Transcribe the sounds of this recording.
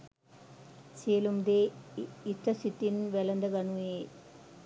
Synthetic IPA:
selumd̪eit̪ɾɐsit̪ːinʋelɐnd̪ɐɡɐɳue

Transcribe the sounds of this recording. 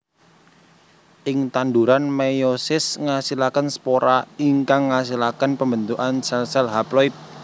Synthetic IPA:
ʔɪŋt̪and̪uɾanmejosɪsŋasilakənspoɾaiŋkaŋːas̬ilakənpəmbənt̪uʔansɛlsɛlɦaplɔit̪̚

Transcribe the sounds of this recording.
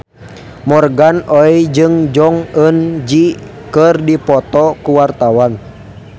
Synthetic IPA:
mɔrɡanɔid͡ʒɨŋd͡ʒɔŋənd͡ʒi | kɨrdipɔt̪ɔkuwart̪awan

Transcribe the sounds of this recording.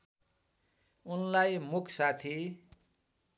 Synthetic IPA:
unlajmukʰsat̪ʰi

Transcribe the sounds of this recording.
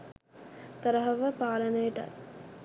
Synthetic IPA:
t̪ɐɾəɦɐʋəpaːlənəjeʈa̰j

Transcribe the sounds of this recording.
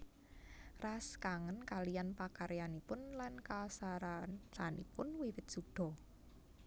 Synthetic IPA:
raskaŋənkalijanpakaɾjanipʊnlankasaɾat͡ʃanḭpʊnwiwɪt̪̚sud̥ɔ̤

